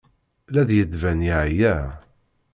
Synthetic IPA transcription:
læðjəd̪væniʕjæ

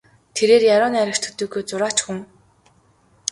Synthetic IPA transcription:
t̪ʰeɾeːrjaɾʊːnaɾʲə̆r̥t̪ʰɵ̥t̪ɵːɡujt͡sʊɾaːt͡ɕxuŋ

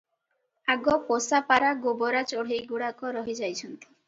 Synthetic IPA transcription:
aɡɔposapaɾaɡobɔɾat͡ʃɔɽ̤ejɡuɽakɔɾɔɦid͡ʒajt͡ʃʰɔnt̪i̥

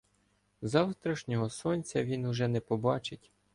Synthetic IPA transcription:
zɑwt̪ɾɐʃnʲɔɦɔsɔnʲt͡sʲɐʋʲinʊʒɛnɛpɔbɑt͡ʃɪtʲ

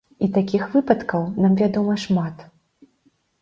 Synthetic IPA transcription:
it̪akʲixvɨpɐt̪kɐwnamvʲad̪ɔmɐʂmat̪

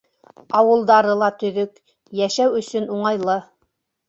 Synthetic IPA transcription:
ɑwɤ̆lˠd̪ɑɾɤlˠɑt̪ɵ̆ðɵk | jæʃæwɵ̆sɵnuɴɑjlˠɤ

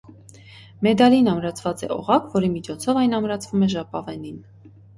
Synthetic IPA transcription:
mɛd̪ɑlinɑmɾɑt͡sʰvɑt͡sɛ̰ʔɔ̰ʁɑkvɔɾimit͡ʃʰɔt͡sʰɔvɑjnɑmɾɑt͡sʰvumɛʒɑpɑvɛnin

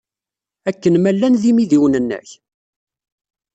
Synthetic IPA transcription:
ækːənmælːænðimiðiwnənːə̰ç

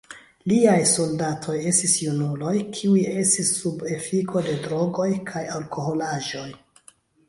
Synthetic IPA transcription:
liajso̞ldatʰo̞je̞stisjunulo̞jkʰiuie̞stisːube̞fikʰo̞de̞dɾo̞ɡo̞jkʰajalko̞ɦo̞laʒo̞j

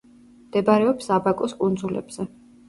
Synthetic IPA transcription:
md̪ɛbaɾɛɔpsabakʼɔskʼund̪zulɛ̰bz̥ɛ

